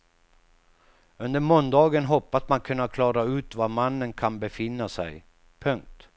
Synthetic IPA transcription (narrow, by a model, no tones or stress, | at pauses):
ɵnd̪əɾmɔnd̪ɑːɡənɦɔpːasmankʰɵnːakʰlɑːɾaʉ̟ːt̪vamanːənkʰanbɛfɪnːasɛ̰j | pʰɵŋk̚t̪